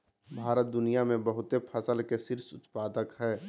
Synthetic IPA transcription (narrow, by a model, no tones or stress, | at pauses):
bʱaːɾət̪̚d̪ʊnijamẽbəɦʊt̪epʰəsəlkesɪɾsʊt̪paːd̪əkɦɛː